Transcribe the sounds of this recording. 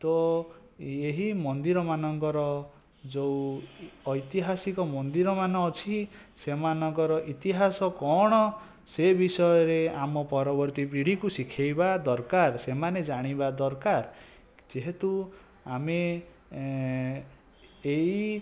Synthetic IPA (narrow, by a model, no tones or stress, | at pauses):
t̪ɔ | eɦimɔnd̪iɾɔmanɔŋkɔɾɔ | d͡ʒo | ɔjt̪iɦasikɔmɔnd̪iɾɔmanɔːt͡ʃʰisemanɔŋkɔɾɔʔit̪iɦasɔkɔɽ̃ɔ | sebisɔjɔɾeamɔpɔɾɔbɔɾt̪ipiɽ̤ikusikʰajbad̪ɔɾkaɾsemaned͡ʒaɽ̃ibad̪ɔɾkaɾ | d͡ʒeɦet̪u | ame | ei